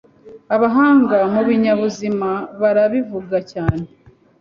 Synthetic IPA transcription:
aβaɦaːŋɡamuβiɲaβuzimaβaɾaβivuɡacaːne

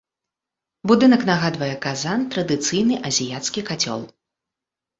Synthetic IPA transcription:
bud̪ɨnɐknaɣad̪vɐjɛkazant̪ɾɐd̪ɨt̪sɨjnɨʔɐzʲijat̪skʲikat͡sʲɔ̰lˠ

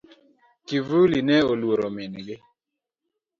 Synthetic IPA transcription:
kivulinɛolwoɾomɪnɡɪ

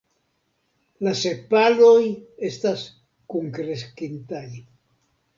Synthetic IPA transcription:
lase̞paloje̞stas | kuŋkɾeskint̪aj

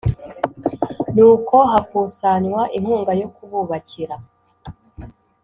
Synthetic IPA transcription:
nuːko̞ɦakuːsaɲwaʔiŋ̥huːŋɡajo̞kuβuβaciɾa

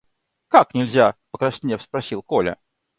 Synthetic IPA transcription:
kaknʲɪlʲzʲapəkɾɐsʲnʲefspɾɐsʲilˠkolʲə̰

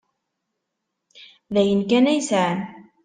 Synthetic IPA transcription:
laʔɪnkaːnajsaʕn

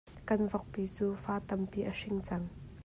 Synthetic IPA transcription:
kɐnvɔk̚piːt͡suːfaːt̪ɐmpiːʔəʂɪŋt͡sɐŋ

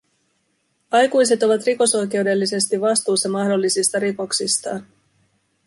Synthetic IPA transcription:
ɑjkujse̞t̪o̞ʋɑt̪riko̞so̞jk̟e̞wde̞lːise̞st̪iʋːɑst̪uːsːɑmɑɦdo̞lːisist̪ɑɾiko̞ksist̪ɑːn

